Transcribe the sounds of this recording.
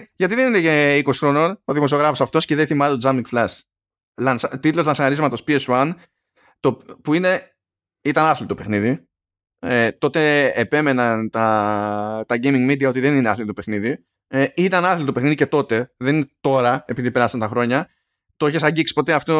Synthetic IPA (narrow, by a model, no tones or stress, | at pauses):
ʝɐt̪iðe̞nineeiko̞si̥xɾo̞no̞noðimoo̞ɣɾɐfo̞sɐft̪o̞sceðenθimɐnt̪od͡zɐmiŋɡflɐs | lɐnst̪it̪lo̞zlɐnsɐɐɾizmɐt̪o̞spieswɐn | t̪opuine̞ | it̪ɐnɐθlit̪ope̞xniði | et̪o̞t̪e̞epe̞me̞nɐnt̪ɐ | t̪ɐɟejmiŋɡmid̪iɐo̞t̪iðe̞nineɐθlit̪opexniði | it̪ɐnɐθlit̪ope̞xniðice̞t̪o̞t̪e̞ðeninet̪o̞ɾɐe̞piðipeɾɐsɐnt̪ɐxɾo̞ɲɐ | t̪o̞eçesɐɟiksi̥po̞t̪e̞ɐft̪o